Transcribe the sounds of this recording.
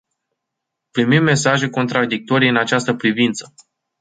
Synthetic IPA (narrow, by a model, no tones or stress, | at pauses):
pɾimimːe̞saʒe̞ko̞nt̪ɾad̪ik̚t̪o̞ɾijɨnat͡ʃast̪əpɾivint̪sə̥